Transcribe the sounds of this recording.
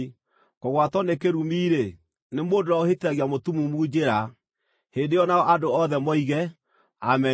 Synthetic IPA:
koɣwatɔnekeɾumiːɾe | nemoːdoɾaoheteɾaɣiamotumumuːd͡ʒeɾa | heːndeɔnaɔʔadoɔðɛmɔiɣɛ | amɛ

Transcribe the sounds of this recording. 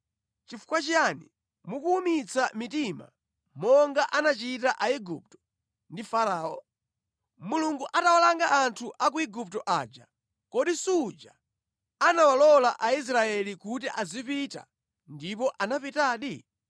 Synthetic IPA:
t͡ʃifu̥kwat͡ʃiani | mukuːmit͡samitima̰ | mɔŋɡaʔanat͡ʃitaʔaiɡup̚tɔ̥ | ndifaɾaːɔ̰ | muluŋɡuʔatawalaŋɡaʔːntʰuʔak̬uiɡup̚tɔʔa̰ːd͡ʒa | kɔɗisuːd͡ʒa | anawalɔlaʔais̬ɾaɛlikutiʔazipita̰ | ndip̬ɔʔanapitaːɗi

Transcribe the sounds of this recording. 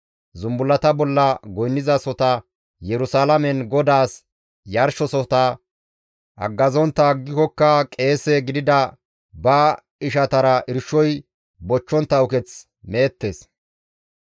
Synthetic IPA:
zʊmbʊlːɐt̪ɐbɔlːɐɡɔjnːɪzɐsɔt̪ɐ | jɛɾʊsaːlɐmɛnɡɔd̪aːs | jɐɾʃɔsɔt̪ɐ | ʔɐ̰ɡːɐzɔnt̪ːɐɡːɪkɔkːɐkʼe̞ːsɛɡɪd̪ɪd̪ɐ | bɐ | ɪʃɐt̪ɐɾɐʔɪɾʃɔj | bɔt͡ʃːɔnt̪ːɐwʊkɛt͡s | meːt̪ːe̞ːs

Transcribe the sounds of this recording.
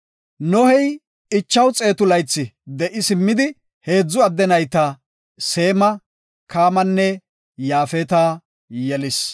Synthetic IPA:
nɔhɛj | ɪt͡ʃːɐwt͡sʼe̞ːt̪ʊlɐjt͡sːɪd̪ɛʔɪsɪmːɪd̪ɪ | he̞ːd͡zːʊɐd̪ːɛnɐjt̪ɐ | se̞ːmɐ | kaːmɐnːɛ | jaːfɛt̪aː | jɛlɪs

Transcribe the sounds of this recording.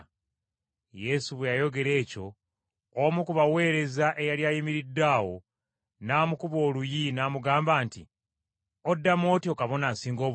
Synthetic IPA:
je̞suβwejajo̞ɡe̞ɾe̞ːco̞ | omukuβawe̞ːɾe̞zaʔe̞jaljaːjimiɾidːaːwo̞ | naːmukuβo̞ːlujinaːmuɡaːmbaːnti | odːamo̞ːtio̞kaβo̞naːsiːŋɡoː

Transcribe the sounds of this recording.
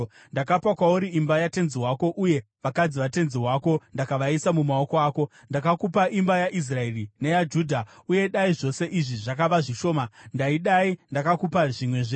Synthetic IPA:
ndakapakwauɾiimbajate̞nziɦwako̞ʔuje̞ | ʋakad͡ziʋate̞nziwaːko̞ndakaʋaisamumao̞ko̞aːko̞ | ndakakupaʔimbajaʔis̬raerinejad͡ʒuːdʱauje̞ɗaiʐo̞se̞ʔiʐiʐak̬aʋaʐiʃo̞ːmandaiɗaindakakupaʐimwe̞ʐe

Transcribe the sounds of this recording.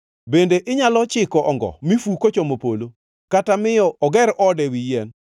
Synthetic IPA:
bendeʔɪɲalɔt͡ʃɪkɔʔɔŋɡɔ̰mifukot͡ʃomopolo | katamɪjɔɔɡɛɾʔɔdɛwijɛn

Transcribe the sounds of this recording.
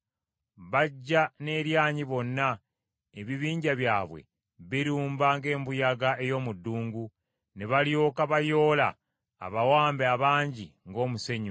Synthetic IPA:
βaɟːane̞ːɾjaːɲiβo̞nːa | eβiβiːɲɟaβjaːβwe̞̰ | βiɾuːmbaŋɡe̞ːmbujaɡae̞jo̞ːmudːuːŋɡu | neβaljo̞ːkaβajo̞ːla̰ː | βawaːmbeaβaːɲɟiŋɡo̞ːmuse̞ɲu

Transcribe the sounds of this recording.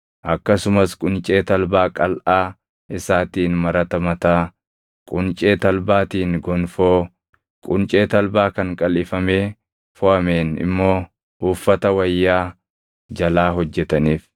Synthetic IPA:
ʔɐkːɐsʊmɐskʼʊnt͡ʃʼe̞ːt̪ɐlbaːkʼɐlʔaː | ɪsaːt̪iːnmɐɾɐt̪ɐmɐt̪aː | kʼʊnt͡ʃʼe̞ːt̪ɐlbaːt̪iːnɡɔnfoː | kʼʊnt͡ʃʼe̞ːt̪ɐlbaːkɐŋkʼɐlɪfɐme̞ː | fɔʔɐmeːnɪ̰mːo̞ː | ʊfːɐt̪ɐwɐjːaː | d͡ʒɐlaːɦɔd͡ʒːɛt̪ɐniːf

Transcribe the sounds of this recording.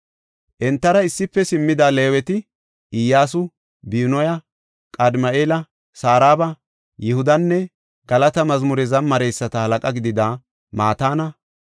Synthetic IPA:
ʔɛnt̪ːɐɾɐɪsːɪpːɛsɪmːɪd̪aːle̞ːwɛt̪ɪ | ʔɪjːaːsʊ | biːnɔjɐ | kʼɐd̪mɐʔeːlɐ | saːɾaːbɐ | jɪhʊd̪ɐnːɛ | ɡ̥ɐlɐt̪ɐmɐzmʊɾɛzɐnmɐɾɛjsːɐt̪ɐhɐlɐkʼɐɡɪd̪ɪd̪aː | maːt̪aːnɐ

